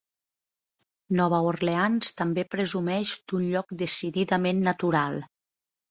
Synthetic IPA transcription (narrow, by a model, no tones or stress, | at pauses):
nɔβaorleanst̪ambepɾəzumɛʃd̪̥unʎɔkd̪esiðiðamenːat̪uɾalˠ